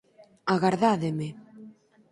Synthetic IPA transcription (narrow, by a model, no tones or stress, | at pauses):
aɣaɾðaðeme